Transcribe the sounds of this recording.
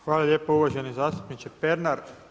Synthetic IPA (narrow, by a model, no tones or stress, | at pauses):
xʋaːlˠaljeːpouʋaʒenezaːst̪u̥pnit͡ʃepeɾnaɾ